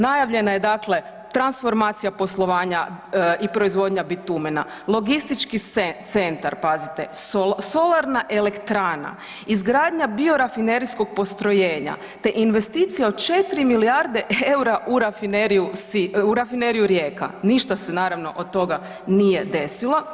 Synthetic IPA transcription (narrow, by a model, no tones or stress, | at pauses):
najaʋʎe̞naje̞d̪akle̞ | t̪ɾansfo̞ɾmat̪sijapo̞slˠo̞ʋaːɲaipɾo̞izʋo̞d̪ɲabit̪umena̰ | lo̞ɡist̪it͡ʃkiet̪sent̪aɾpazit̪e̞soso̞lˠaɾnaʔe̞le̞kt̪ɾaːna̰ | izɡɾaːd̪ɲabio̞ɾafineɾiskoɡ̚po̞st̪ɾo̞je̞ːɲa̰ | t̪e̞ʔinʋe̞st̪iːt̪sijaod̪t͡ʃe̞t̪ɾimilijaɾd̪e̞ʔewɾaʔuɾafineɾijusiuɾafineɾijuɾjeːka̰niʃt̪asenaːɾaʋno̞̰ʔod̪̚t̪ːo̞ɡa | nije̞d̪e̞silˠo